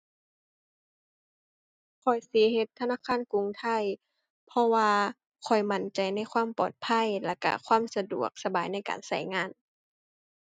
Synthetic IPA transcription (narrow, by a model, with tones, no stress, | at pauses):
kʰɔ˨˩jsi˨˦ɦe˧˦t̪ʰːa˧naː˧˥˨kʰaː˧˥˨nku˧˨ŋt̪ʰa˧˩˨j | pʰɔ˧waː˧ | kʰɔ˨˩jma˧˩nt͡ɕa˨˩jna˧˥˩jkʰwaː˧˥˨mpɔ̰ː˨˩t̪̚pʰa˧˥˨jla˧˩ka̰˧˩kʰwaː˧˥˨msa˧dṵ˨˩ək̚sa˧baː˨˦jna˥˩jka̰ː˨nsa̰˧˩jŋaː˧˥˨n